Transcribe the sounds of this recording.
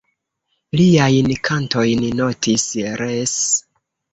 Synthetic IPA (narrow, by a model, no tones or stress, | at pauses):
liajnkʰanto̞jnno̞tʰisɾes